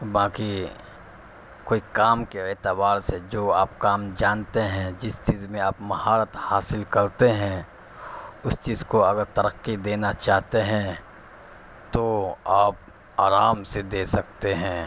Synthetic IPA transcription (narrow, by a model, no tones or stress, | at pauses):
baːki | koːikaːmkeeːt̪əbaːɾsed͡ʒoːaːp̚kaːmd͡ʒaːnt̪eɦɛ̃d͡ʒɪst͡ʃiːzmẽaːpmɐɦaːɾət̪haːsɪlkɐɾt̪eɦɛ̃ | ʊst͡ʃiːzkoɐɡəɾt̪ɐɾəqːid̪eːnat͡ʃaːɦt̪eɦɛ̃ | t̪oaːp̚ | aːɾaːmsed̪eːsɐk̚t̪eɦɛ̃ː